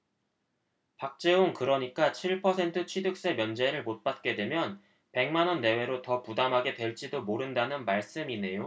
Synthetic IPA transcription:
pak̚t͡ɕ͈e̞onkɯɾʌɲik͈at͡ɕʰiɭpʰʌsʰe̞ntʰɯt͡ɕʰwidɯk̚s͈e̞mjʌnd͡ʑe̞ɾɯɭmot̚p͈at̚k͈e̞dwe̞mjʌn | pe̞ŋmanʌnːe̞we̞ɾotʌpudamɦaɡe̞dwe̞ɭt͡ɕ͈idomoɾɯndanɯnmaɭs͈ɯmine̞jo

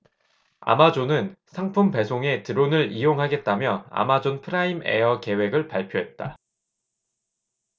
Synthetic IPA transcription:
a̰mad͡ʑonɯnsʰaŋpʰumpe̞sʰoŋe̞tɯɾonɯɭijoŋɦaɡe̞t̚t͈amjʌa̰mad͡ʑonpʰɯɾaimḛʌke̞we̞ɡɯɭpaɭpʰjoɦe̞t̚t͈a̰

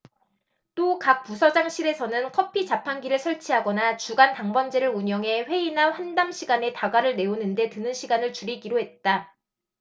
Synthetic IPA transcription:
t͈okak̚pusʰʌd͡ʑaŋɕʰiɾe̞sʰʌnɯnkʰʌpʰit͡ɕapʰanɡiɾɯɭsʰʌɭt͡ɕʰiɦaɡʌnat͡ɕuɡantaŋbʌnd͡ʑeɾɯɭuɲjʌŋɦe̞ɸwe̞inaɸwandamɕʰiɡane̞taɡaɾɯɭne̞onɯnde̞tɯnɯnɕʰiɡanɯɭt͡ɕuɾiɡiɾoɦe̞t̚t͈a

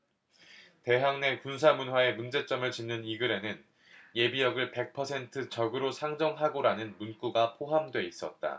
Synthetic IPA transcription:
te̞ɦaŋne̞kuns̬ʰamunɦwae̞mund͡ʑe̞t͡ɕ͈ʌmɯɭt͡ɕimnɯniɡɯɾe̞nɯn | je̞bijʌɡɯɭpe̞k̚pʰʌsʰe̞ntʰɯt͡ɕʌɡɯɾosʰaŋd͡ʑʌŋɦaɡoɾanɯnmunk͈uɡapʰoɦamdwe̞is͈ʌt̚t͈a̰

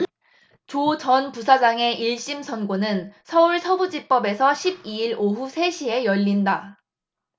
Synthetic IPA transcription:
t͡ɕot͡ɕʌnpusʰad͡ʑaŋe̞ʔiɭɕ͈imsʰʌnɡonɯnsʰʌuɭsʰʌbud͡ʑip͈ʌbe̞sʰʌɕʰib̚iiɾoɦusʰe̞ɕʰie̞jʌʎːinda

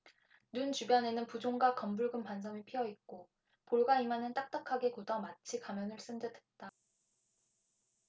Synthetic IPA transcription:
nunt͡ɕubjʌne̞nɯnpud͡ʑoŋɡwakʌmbuɭɡɯmpansʰʌmipʰijʌit̚k͈o | poɭɡaimanɯnt͈ak̚t͈akʰaɡe̞kodʌmat͡ɕʰikamjʌnɯɭs͈ɯndetʰet̚t͈a

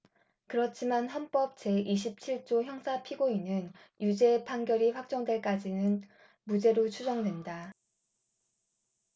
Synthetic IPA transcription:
kɯɾʌt͡ɕʰimanɦʌnp͈ʌp̚t͡ɕe̞ʔiɕ̬ʰip̚t͡ɕʰiɭt͡ɕ͈oçjʌŋsʰapʰiɡoinɯnjud͡ʑe̞pʰaŋɡjʌɾiɸwak̚t͡ɕ͈ʌŋdwe̞ɭk͈ad͡ʑinɯn | mud͡ʑe̞ɾot͡ɕʰud͡ʑʌŋdwe̞nda

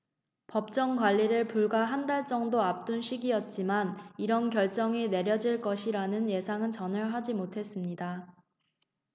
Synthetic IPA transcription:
pʌp̚t͡ɕ͈ʌŋkwaʎːiɾɯɭpuɭɡaɦandaɭt͡ɕ͈ʌŋdoap̚t͈unɕʰiɡiʌt̚t͡ɕ͈imaniɾʌnkjʌɭt͡ɕ͈ʌŋine̞ɾjʌd͡ʑiɭk͈ʌɕʰiɾanɯnje̞sʰaŋɯnt͡ɕʌnɯɭɦad͡ʑimotʰe̞s͈ɯmɲida

